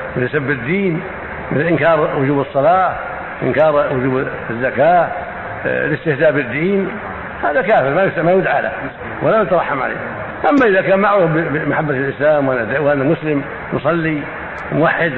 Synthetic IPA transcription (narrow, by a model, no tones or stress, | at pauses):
mɪt̪sabːɪd̪ːiːn | mɪθɪlʔɪnkɑːɾˤwʊd͡ʒuːbɨsˤːɑlɑː | ʔɪ̰nkɑːɾˤwʊd͡ʒuːb | zːakaː | lɪst̪ɪhzaːʔbɪd̪ːiːn | haːðakaːfɪɾmajmajʊd̪ʕaːla̰ | walajʊt̪ɑɾˤɑħːamʕa̰lḛː | ʔamːaʔɪðakaːnmaʕɾˤuːfbɪbmaħabːat̪lʔɪslaːmwʔanad̪wʔanːamʊslɪm | nʊsˤɑlːi | mʊwaħːɪd̪